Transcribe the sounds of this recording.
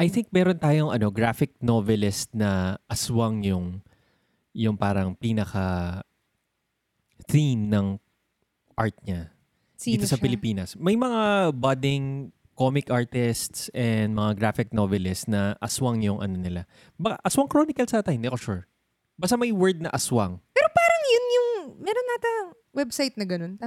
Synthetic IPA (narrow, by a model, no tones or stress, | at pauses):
ʔɐjθɪŋk̚mɛːɾont̪aːjoŋʔɐno̞ɡɹafɪk̚novɛlɪst̪̚nɐʔɐswaŋjʊŋ | jʊŋpaːɾɐŋpiːnɐkɐ | θimnɐŋ | ʔaɹt̪̚ɲa | iːt̪osɐpɪlɪpiːnɐsmɐjmɐŋabɐd̪ɪŋ | komɪkʔaɹt̪ɪst̪sɛnd̪mɐŋaɡɾaːfɪk̚novɛlɪstnɐʔɐswaŋjʊŋʔɐ̰no̞nɪla | bɐkaʔɐswɐŋkɾonɪkɐlsɐt̪ajmɛkoʃuɹ | bɐst̪amɐjwɛɹd̪̚nɐʔɐswɐŋpɛːɾopaːɾɐŋjʊnjʊŋmɛɾonːaːt̪ɐ | wɛbsajt̪̚nɐɡɐnont̪a